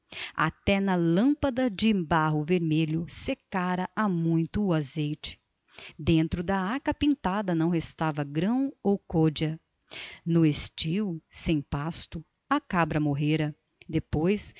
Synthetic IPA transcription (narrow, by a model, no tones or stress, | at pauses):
a̰t̪ɛnɐlɐ̃pɐd̪ɐd͡ʒɪbaɦʊveɾmeʎʊsekaɾɐʔamũj̃t̪ʊːazejt͡ʃɪ̥ | d̪ẽnt̪ɾʊd̪ɐakɐpĩnt̪ad̪ɐnɐ̃w̃ɦest̪avɐɡɾɐ̃w̃owkɔd͡ʒɐ | nʊest͡ʃiwsẽj̃past̪ʊ | ɐkabɾɐmoɦeɾɐ | d̪epojs